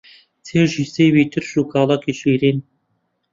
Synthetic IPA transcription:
t͡sʰeːwʒiːsejwiːt̪ʰɨɾʃuːkʰɑːlˠɑkʰiʃiːɾiːn

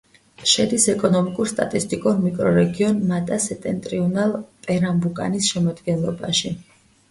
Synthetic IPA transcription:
ʃɛd̪isɛkʼɔnɔmikʼuɾst̪ʼat̪ʼist̪ʼikʼuɾmikʼɾɔɾɛɡiɔnmat̪ʼasɛt̪ʼɛnt̪ʼɾiɔnalˠpʼɛɾambukʼa̰nisʃɛmɔd̪ɡɛnlˠɔba̰ʃi

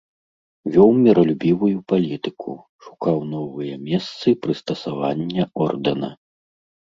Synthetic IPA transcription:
vʲɔwmʲɛɾɐlʲubʲivujupalʲit̪ɨkʰṵ | ʂu̥kawnɔvɨjɐmʲɛst̪sɨpɾɨst̪ɐsavanʲːɐɔrd̪ɐnɐ̰

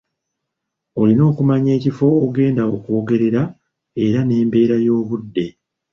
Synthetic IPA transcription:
o̞lino̞ːkumaɲe̞ːcifo̞ːɡe̞ːndaokuoːɡe̞ɾe̞ɾa | e̞ɾane̞ːmbe̞ːɾajo̞ːβudːe̞

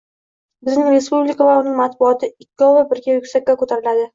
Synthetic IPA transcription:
bɪznɪŋɾe̞spublɪkʰavaʊnɪŋmat̪bʊɒt̪ʰɪɪkʲːɒvabɪɾɡʲajʊkʲsakʲːakot̪ʰaɾɪlad̪ɪ

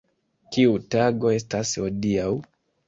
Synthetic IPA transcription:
kiutaɡɔɛstasiɔdiau

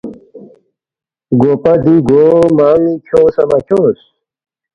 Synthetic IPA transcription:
ɡoːpad̪iɡomaːmĩt͡ɕʰoːsɐmɐt͡ɕos

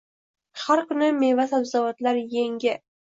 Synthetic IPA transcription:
haɾkʊnɪmevasabzavat̪laɾjeŋɡʲɪ

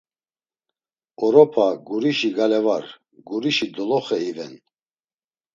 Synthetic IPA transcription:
ɔɾɔpʰaɡuɾiʃiɡalɛvaɾ | ɡuɾiʃid̪ɔlɔχɛivɛn

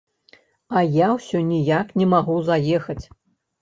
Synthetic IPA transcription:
ɐjawsʲɔnʲijaknʲɛmaɣuzajɛxɐt͡sʲ

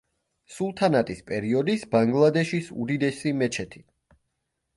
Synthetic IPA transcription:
sulˠt̪ʰanat̪ʼispʼɛɾiɔd̪isbaŋɡlˠad̪ɛʃisṵd̪id̪ɛsimɛt͡ʃʰɛt̪ʰi

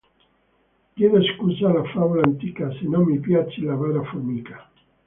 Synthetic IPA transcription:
kjeðoeskuzalafaβulant̪ikasinomipjat͡ʃilaβaɾafuɾmikḁ

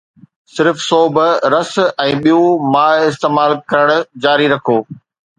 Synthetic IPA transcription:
sɪɾfsoːbɾɐsɛ̃ːɓijumaːɦɪst̪eːmaːlkɐɾəɽ̃ʊ̆d͡ʑaːɾiɾɐkʰoː

